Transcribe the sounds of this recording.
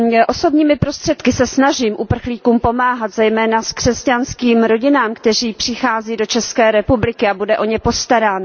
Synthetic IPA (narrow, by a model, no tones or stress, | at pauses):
ʔo̞so̞bɲiːmɪpɾo̞st̪r̥ɛt̪kɪsɛsnaʒiːmʔupr̩xliːkuːmpo̞maːɦat̪zɛjmɛːnaskr̥ɛscanskiːmɾo̞ɟɪnaːmkt̪ɛriːpr̝̥ɪxaːziːdo̞t͡ʃɛskɛːɾɛpublɪkɪabudɛʔo̞ɲɛpo̞st̪aɾaːn